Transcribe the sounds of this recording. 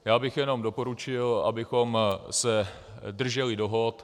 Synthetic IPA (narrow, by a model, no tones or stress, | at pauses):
jaːbɪxjɛno̞mdopo̞ɾut͡ʃɪla̰bɪxomsɛ | dr̩ʒɛlɪdo̞ɦot̪